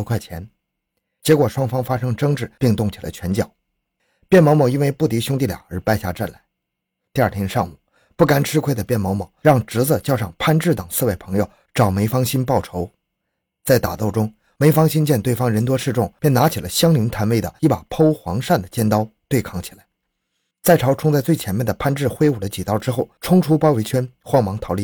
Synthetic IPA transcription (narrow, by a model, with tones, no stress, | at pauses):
kʰwa˥˩ɪt͡ɕʰjɛ̰˧˥n | t͡ɕjɛ˧˥kwɔ˨˩ʂwɑ˥ŋfɑ˥ŋfa˥ʂɤ˥ŋʈ͡ʂɤ˥ŋʈ͡ʂɻ̩˥˧pi˥˧ŋt̪ʊ˥˩ŋt͡ɕʰi˨˩lə̰˧˦t͡ɕʰɥɛ˧˥nt͡ɕjɑ˨˩˦ʊ | pjɛ˥˩nm˧˥ʊm˧˩i˥nwe˥˧ɪpu˥˩t̪i˧˥ɕjʊ˥ŋt̪̬i˥˩ljɑ̰˨˩ŋə˞˧˥pa˥ɪɕja̰˥˧ʈ͡ʂa˥˩nla˧˥ɪ | t̪i˥˧a˞˥˩t̪ʰjɛ˥nʂɑ˥˩ŋmu˨˩˦ | pu˥˩ka˥nʈ͡ʂʰɻ̩˥kʰe˥ɪd̪ə˨˩pjɛ˥˩nmɑ˧˥ʊmɔ˨˩ʊɻɑ˥˩ŋʈ͡ʂɻ̩˧˥t͡sə˥˧t͡ɕjɑ˥˧ʊʂɑ˥˩ŋpʰa˥˧nʈ͡ʂɻ̩˥˩t̪ə˨˩ŋsɹ̩˥˧we˥˩ɪpʰɤ˧˥ŋjo˨˧ʊ | ʈ͡ʂɑ˨˩ʊme˧˥ɪfɑ˥ŋɕi˥npɑ˥˩ʊʈ͡ʂʰo˧˥ʊ | t͡sa˥˩ɪt̪a̰˨˩t̪o˥˩ʊʊ˥ŋ | me˧˥ɪfɑ˥ŋɕi˥nt͡ɕjɛ˥˧nt̪we˥˩ɪfɑ˥ŋɻə˧˥nt̪̬wɔ˥ʂɻ̩˥˧ʈ͡ʂʊ˥˩ŋpjɛ˥˩na˧˥t͡ɕʰi˨˩lə˦ɕjɑ˥ŋli˧˥nt̪ʰa˧˥nwe˥ɪd̪ə̰˨i˥˩pa˨˩pʰo˥ʊxwɑ˧˥ŋʂa˥˩nd̪ə˩t͡ɕjɛ˥nt̪ɑ˥ʊt̪we˥˧ɪkʰɑ˥˩ŋt͡ɕʰi˨˩la˧˥ɪ | t͡sa˥˩ɪʈ͡ʂʰɑ˧˥ʊʈ͡ʂʰʊ˥ŋt͡sa˥˧ɪt͡swɪt͡ɕʰjɛ˧˥nmjɛ˥˩nd̪ə˩pʰa˥˧nʈ͡ʂɻ̩˥˩xwe˥ɪu˨˩d̪ə˦t͡ɕi˨˩t̪ɑ˥ʊʈ͡ʂɻ̩˥xo˥˩ʊʈ͡ʂʰʊ˥ŋʈ͡ʂʰu˥pɑ˥ʊwe˧˥ɪt͡ɕʰɥɛ˥nxwɑ˥ŋmɑ˧˥ŋt̪ʰɑ˧˥ʊli˥˩